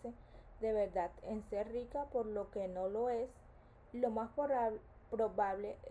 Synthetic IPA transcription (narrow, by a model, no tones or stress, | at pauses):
ed̪e̞βe̞ɾd̪at̪enseɾrikapo̞ɾlo̞ke̞no̞lo̞es | lo̞mas | pɾoβaβle